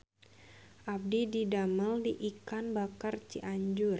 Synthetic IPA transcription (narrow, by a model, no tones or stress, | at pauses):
ʔab̚dididaməldiʔikanbakart͡ʃiʔaɲd͡ʒʊr